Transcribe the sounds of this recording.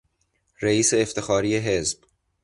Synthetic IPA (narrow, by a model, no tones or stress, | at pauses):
ɾeiːse̞ːft̪exɒːɾiːjeɦe̞zb̥